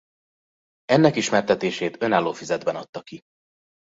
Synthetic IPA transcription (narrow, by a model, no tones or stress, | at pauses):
ɛnːɛkiʃmɛrt̪ɛt̪eːʃeːt̪ø̞naːlːoːfizɛd̪bɛnɒt̪ːɒki